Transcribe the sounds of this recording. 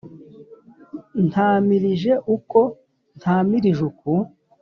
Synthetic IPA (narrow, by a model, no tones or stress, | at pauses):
n̥aːmiɾiʒe̞ʔuko̞ | n̥haːmiɾiʒuku